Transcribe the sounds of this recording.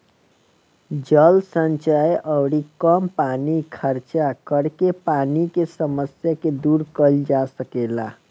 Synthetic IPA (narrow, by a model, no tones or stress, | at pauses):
d͡ʒəlsənt͡ʃəjʔəbɽikəmpanikʰəɾt͡ʃakəɾkepanikesəməsjaked̪uɾkəld͡ʒasəkela̰